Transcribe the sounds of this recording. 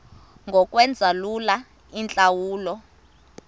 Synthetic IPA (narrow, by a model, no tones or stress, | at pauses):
ŋɡʱɔk̬ʼwɛnd͡zʱalula | int͡ɬʼawuːlɔ